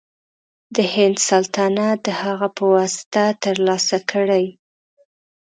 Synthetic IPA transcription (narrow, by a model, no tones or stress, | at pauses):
d̪əhɪnd̪salt̪ɑnad̪əhaɣapəwɑsɪ̥t̪at̪əɾlɑsakʰəɽaj